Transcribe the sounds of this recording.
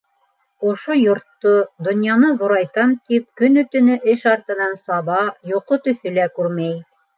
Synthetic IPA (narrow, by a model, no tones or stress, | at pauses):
ŏʃojŏɾt̪ːod̪ŏnjɑnɤðŏɾɑjt̪ɑmt̪ip̚kɵnɵ̆t̪ɵ̆nɘʔɘʃɑɾt̪ɤ̆nɑnsɑβɑjoqot̪ɵ̆θɵ̆lækʉɾmæj